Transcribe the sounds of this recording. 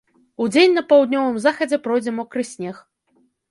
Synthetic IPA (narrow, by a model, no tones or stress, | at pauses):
ud͡zʲenʲnɐpɐwd̪̚ʲnʲɔvɨmzaxɐd͡zʲɛpɾɔjd͡zʲɛmɔkɾɨsʲnʲɛx